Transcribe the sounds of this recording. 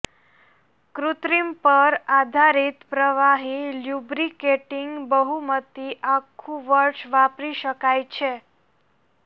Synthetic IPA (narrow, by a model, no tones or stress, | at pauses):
kɾut̪ɾimpəɾad̪ʱaɾit̪pɾəʋaɦiljubɾikeʈiŋɡbəɦumət̪iʔakʰːũʋəɾʃʋapɾiʃəkajt͡ʃʰe